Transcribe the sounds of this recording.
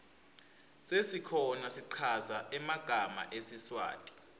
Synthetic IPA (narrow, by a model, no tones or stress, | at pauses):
sesikʰɔnasiǃʰazaɛmaɡ̥ʱama̰ʔesiswa̰ːtʼi̥